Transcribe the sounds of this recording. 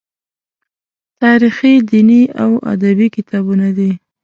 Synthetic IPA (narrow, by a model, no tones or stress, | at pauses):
t̪ɑɾixid̪iniawa̰d̪abikɪt̪ɑbunad̪i